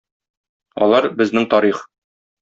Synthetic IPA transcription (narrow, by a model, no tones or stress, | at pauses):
ɒ̰lˠɑɾbɘ̆znɘŋt̪ɒɾiχ